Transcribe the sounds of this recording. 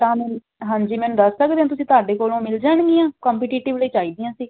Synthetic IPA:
t̪ãːmɛː | ɦãːɲd͡ʒiːmɛ̃ːnud̪əsːəkd̪eːãːt̪ʊsĩːt̪aːɖeːkoːlõːmɪld͡ʒaːɽ̃ɡiːãːkɔ̃ːmpiːʈiːʈɪʋləiːt͡ʃaːiːd̪ɪjãːsiː

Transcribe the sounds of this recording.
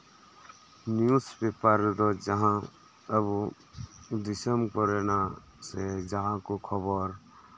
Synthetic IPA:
njuspepaɾd̪od͡ʒəɦã | əb | d̪ɪsəmkɔɾena | sed͡ʒəɦãkokʰəbəɾ

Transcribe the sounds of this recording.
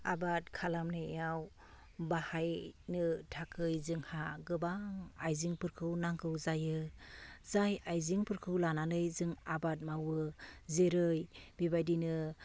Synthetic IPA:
abat̚kʰalamnɯeaw | bahajnɯtʰakʰɯjzɯŋhaɡɯbaŋajziŋpɯɾkʰɯwnaŋkʰɯwzajɯ | zajajziŋpɯɾkʰɯwlanalɯjzɯŋabat̚mawɯzeɾɯjbibajdinɯ

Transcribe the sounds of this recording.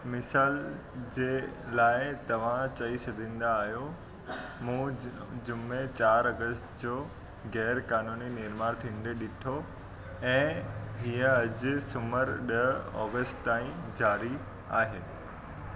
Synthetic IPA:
mɪsaːl | d͡ʑeːlaːɪt̪ɐʋ̤ãt͡ɕɐisɐd̪ʱĩːn̆d̪aːɦijo | mũː | d͡ʑʊmet͡ɕaːɾɐɡəstd͡ʑoː | ɣɛːɾkaːnuːninɪɾmaːɾt̪ʰĩːɳɖeɗɪʈʰo | ɛ̃ːɦiːə̃ɐd͡ʑʊ̆sʊməɾɗɐɦɔ̰ːɡəsʈt̪aːĩd͡ʑaːɾi | a̰ːɦeː

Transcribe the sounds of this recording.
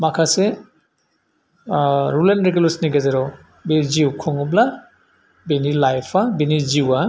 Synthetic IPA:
makʰase | ɾulenɾeɡelɔsniɡazeɾɔ | beziwkʰɔŋɔbla | benilajpʰabeniziwa

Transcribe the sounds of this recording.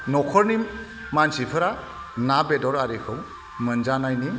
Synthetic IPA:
nɔkʰɔɾnimː | ansipʰɯɾa | nabedɔɾaɾikʰɯŋ | mɯnd͡ʒanajni

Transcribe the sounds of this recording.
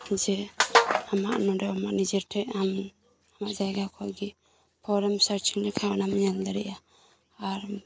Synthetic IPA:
d͡ʒɛ | amaʔnɔɾɛamaʔnid͡ʒɛɾʈʰɛʔam | amaʔd͡ʒajɡakʰɔɡi | pʰɔɾɛmsaɾt͡ʃʰiŋnɛkʰawanamiɲand̪aɾɛʔaː | ɾ

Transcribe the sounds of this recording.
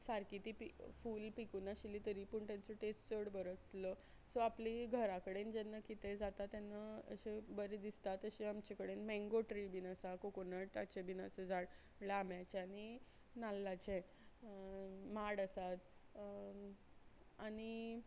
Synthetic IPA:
saɾkit̪ipifuːlpikunaɕiliːt̪əɾiːpuːɳt̪ẽnt͡səʈest͡səɽbəɾət͡slə | sɔapliɡʱəɾakəɽend͡ʑɛnːəkit̪ʰed͡zat̪at̪ːjanːəə̰ɕebəɾed̪ist̪at̪əɕeamt͡ɕekəɽenmɛ̃ŋɡoʈɾibinəsakokonəʈa̰t͡ɕebinased͡zaɽ | lamjat͡ɕeañi | nalːat͡ɕe | maɽəsat̪ | aɽ̃i

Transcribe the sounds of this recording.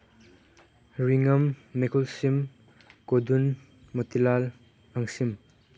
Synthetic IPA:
ɹiŋɐmːekʰɔlsim | kodun | mɔt̪ilal | aŋsim

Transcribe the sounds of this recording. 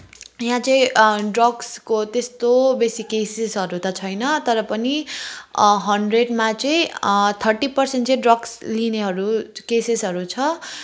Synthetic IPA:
jãt͡sʌĩɖrʌɡskot̪est̪obesikesesɦʌɾut̪ʌt͡sʰʌjnʌt̪ʌɾʌpʌni | ɦʌɳɖreɖmat͡sʌĩt̪ʰʌrʈipʌrsenʈt͡sʌĩɖrʌɡslineɦʌɾukesesɦʌɾut͡sʰʌ

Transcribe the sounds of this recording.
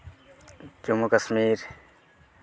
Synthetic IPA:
t͡ʃumukɐsmiːɾ

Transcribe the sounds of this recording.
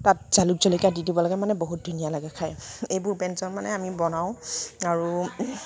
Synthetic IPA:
tat̚z̥aluk̚zolikadidibɔlaɡɛmanɛboɦut̚dʱunijalaɡɛkʰajejbʊɹbɛnzɔnmanɛamibɔnaʊ̃aɹu

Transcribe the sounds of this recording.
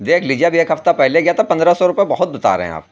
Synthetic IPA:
d̪eːkʰliːd͡ʒieabʱieːkɦɐft̪apɛɦleɡjat̪apɐ̃nd̪ɾasɔɾʊpebɐɦʊt̪̚bɪt̪a̰ːɾḛɦɛ̰̃a̰ːp

